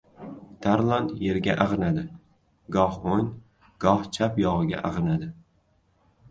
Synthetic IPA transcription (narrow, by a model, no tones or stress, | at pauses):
t̪ʰaɾlˠɒnt̪je̞ɾɡʲa̰ʔaʁɨnad̪ɪ | ɡɒhon | ɡ̥ɒht͡ʃʰapjɒʁɨɡʲa̰ʔaʁɨnad̪ɪ